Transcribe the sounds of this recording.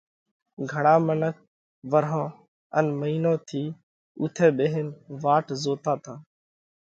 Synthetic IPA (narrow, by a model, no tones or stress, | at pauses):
ɡʱəɳãːmənək̚ | ʋəɾɦõː | ə̰nməiːnõːt̪ʰiː | ʊ̰t̪ʰeːɓeːɦenʋaːʈzoːt̪aːt̪ʰãː